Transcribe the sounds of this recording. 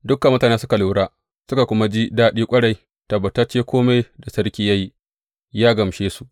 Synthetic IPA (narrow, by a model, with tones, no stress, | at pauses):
dʊ˦kːɐ˨mːʊ˦taː˨neː˦sʊ˦ka˨lu˨˦ɽaː˦ | sʊ˦ka˨kʷʊ˦ma˦d͡ʒi˦daː˦ɗiː˦kʷʼɐ˦ɽa˨j | tɐ˨bːɐ˨tɐ˦t͡ʃːeː˦kʷʰoː˦me˦jda˨sɐ˦ɽkʲiː˦jɐ˦ji˦ | jaː˦ɡɐ˨mʃeː˦su˨ʔ